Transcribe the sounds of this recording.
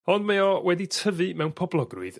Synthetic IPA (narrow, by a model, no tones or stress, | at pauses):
ɔndmaɔwɛditʰəvɨmɛwnpʰɔblˠɔɡrʊ̰ɨð